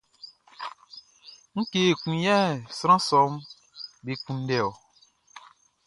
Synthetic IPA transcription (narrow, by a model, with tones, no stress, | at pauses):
ŋ̩˦ke˦˨kũ˨jɛ˦˨sɾ̃ã˦sɔ˨˦m˦ | be˨kũ˦n̩˦dɛ˨ɔ˨